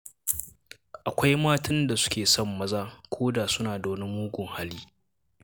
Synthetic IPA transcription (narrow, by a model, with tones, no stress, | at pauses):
ʔa˨kʷa˦jmaː˦tɐ˦nda˨sʊ̥˦kʲeː˨sɔ˦˨mːɐ˦zaː˦kʷʰoː˦da˨sʊ˦naː˨da˨nɪ˦mmːuː˦ɡʷʊ˨ŋha˦liː˦